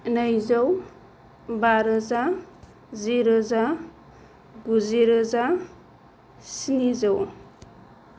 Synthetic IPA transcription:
najzʌw | baɾəza | ziɾɔza | ɡuziɾɔza | sinizʌw

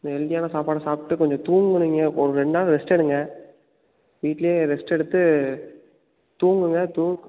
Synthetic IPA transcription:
ɪnd̪ɐɛld̪ɪjaːnɐsaːpaːɽɐsaːpʈːɯkɔɲd͡ʒɔ̃t̪uːŋɡɯniŋɡɐʔɔɾɯɾɛɳɖaːlɾɛsʈɛɽɯŋɡɐ | ʋiːʈːlɐjeːɾɛsʈɛɽɯt̪ːɯ | t̪uːŋɡɯŋɡɐt̪uːŋ

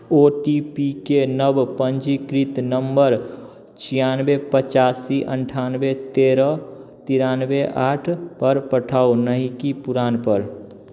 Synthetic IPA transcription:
oʈipikenəbpənd͡ʒikɾit̪nəmbəɾ | t͡ʃʰijanbepət͡ʃasiʔəɳʈʰanbet̪eɾət̪iɾanbeʔaʈʰpəɾpəʈʰaunəɦikipuɾanpəɾ

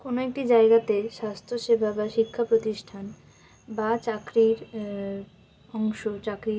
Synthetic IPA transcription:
konoek̚ʈid͡ʑaeɡat̪eʃast̪ʰoʃebʱabaʃikʰːapɾot̪iʃʈʰan | bat͡ɕakɾiɾ | ɔŋʃot͡ɕakɾi

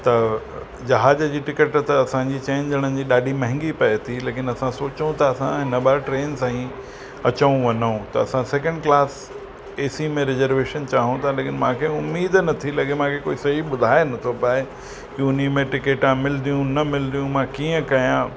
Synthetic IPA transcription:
t̪ɐ | d͡ʑɐɦaːd͡ʑəd͡ʑiːʈɪkəʈt̪ɐɐsãd͡ʑiːt͡ɕẽːnd͡ʑəɽ̃ənɪ̆d͡ʑiːɗaːɖʱimɐ̃ɦɪ̃ŋɡipɐet̪ʰileːkɪnɐsãsoːt͡ɕũt̪ʰaɐsãɦɪnəɓaʈɾeːnsãːĩ | ɐt͡ɕəũʋɐnũt̪ɐɐsãseːkə̃ɳɖklaːs | eːsimẽɾɪzəɾʋeːʃənt͡ɕaːɦũt̪ʰaleːkɪnmãːkʰeʊmːiːd̪nɐt̪ʰilɐɡemãːkʰekoːisɐɦiɓʊd̪ʱaːenɐt̪ʰopaːe | kiʊnimẽʈɪkeːʈãmɪld̪ijũnɐmɪld̪ijũmãkiːə̃kɐjã

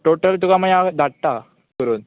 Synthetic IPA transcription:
ʈoʈəlt̪ukamajad̪ʱaɽt̪a | kəɾuːn

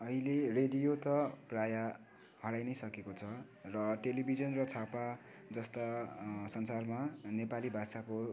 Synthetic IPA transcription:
ʌɦilereɖijot̪ʌpraja | hʌɽajnʌjsʌkekot͡sʰʌ | rʌʈelibʱid͡zʌnrʌt͡sʰapa | d͡zʌst̪asʌnsarmanepalibʱasako

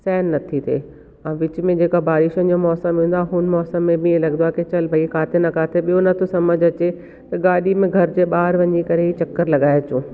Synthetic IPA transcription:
sɛːnːɐt̪ʰit̪ʰḛː | ɐ̃ːʋɪt͡ɕ̆mẽd͡ʑeːkabaːɾɪʃənd͡ʑomɔːsə̃mɦũːnd̪aɦʊnmɔːsəmːẽbɪlɐɡd̪aːket͡ɕɐlbʱɐikʰaːt̪ʰenɐkʰaːt̪ʰeɓijonɐt̪ʰosɐməd͡ʑʱɐt͡ɕe | t̪ɐɠaːɗimẽɡʱɐɾd͡ʑeːɓaːɾʋɐɲikɐɾeit͡ɕɐkːəɾlɐɠaːɪt͡ɕũː

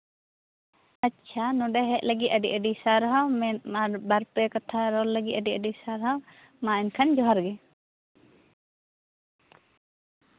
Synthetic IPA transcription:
ətːt͡ʃʰanɔɖɛɦɛʔ̚ləɡit̪əɖiʔəɖisaɾɦawmɛaɾbaɾpɛkat̪ʰaɾɔlːəɡit̪əɖiʔəɖisaɾɦaw | maɛnkʰand͡ʒɔɦaɾɡɛ

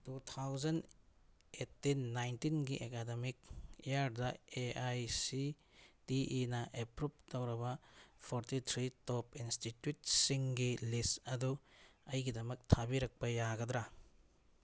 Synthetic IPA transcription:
tut̪ʰawzɐn | etːinːajntinɡiʔekademik̚ejaɾdɐeajsi | tiʔːnɐʔepɾup̚tɐwɾɐbɐpʰoɾtit̪ʰɾitopinstitjut̚siŋɡilistɐduɐjɡidɐmɐk̚tʰabiɾɐk̚pɐjaɡɐd̪ɾa

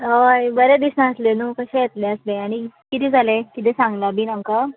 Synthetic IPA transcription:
ojbəɾed̪isnãəslenukəɕẽjet̪leəsleaɽ̃ikit̪ed͡zʱalekit̪esãŋɡlabʱiːnəŋka

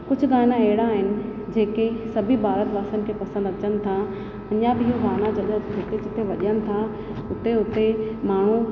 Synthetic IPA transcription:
kʊd͡ʑʱʊ̆ɡaːnãeɦɪɽaːɦɪnɪ̆d͡ʑeːkesɐbʱibʱaːɾət̪ʋaːsənɪ̆kʰeːpɐsə̃nd̪ɐt͡ɕənɪ̆t̪ʰa | ɐɲjabʱɪiɦuɡaːnad͡ʑɐɗət̪ɦɪt̪ed͡ʑɪt̪eʋɐʄənɪ̆t̪ʰa | ʊt̪eʊt̪emaːɳ̤u

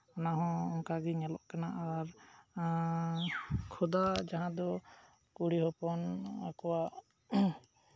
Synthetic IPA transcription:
ɔnaɦɔ̃ːŋkaɡɛɲɛlɔ̰ʔkanaʔaɾ | kʰɔd̪ad͡ʒaɦãd̪ɔ | kuɽiɦɔpɔna̰kɔwa

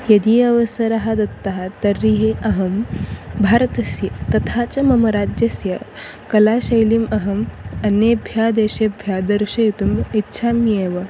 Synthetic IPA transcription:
jɐd̪iːɐʋɐsɐɾɐɦad̪ɐt̪ːaɦat̪ɐɾːiɦeʔɐɦɐmbʱaːɾɐt̪ɐsjɐt̪ɐt̪ʰat͡ʃɐmɐmɐɾaːd͡ʒjɐsjɐ | kɐlaːɕɐjlimɐɦɐmɐnebʱjaːd̪eːɕebʱjad̪ɐɾɕɐjit̪umitːɕʰaːmjeːʋɐ

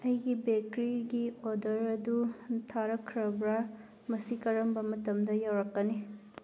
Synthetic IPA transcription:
ɐjɡibekɾiɡiodɐɾɐdutʰaɾɐkʰɾɐbɾa | mɐsikɐɾɐmbɐmɐtɐmdɐjawɾɐkːɐni

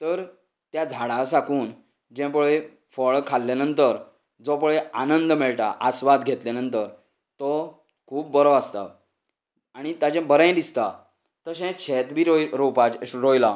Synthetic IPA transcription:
t̪əɾ | t̪jad͡zʱaɽasakuːn | d͡ʑɛ̃p̬əɭe | fəɭkʰalːenənt̪əɾ | d͡zɔpəɭeanənd̪mɛɭʈ̪a̰ʔasʋad̪ɡʱet̪lenənt̪əɾ | t̪ɔ | kʰuːp̚ːəɾɔəst̪a̰ | aɽ̃it̪ad͡ʑɛ̃bəɾə̃j̃d̪ist̪a | t̪əɕɛ̃t͡ɕʰɛt̪bʱiɾopaɾojla

